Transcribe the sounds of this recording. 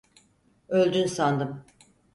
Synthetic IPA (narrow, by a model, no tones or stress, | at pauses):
ølʲd̪ynsand̪ɯm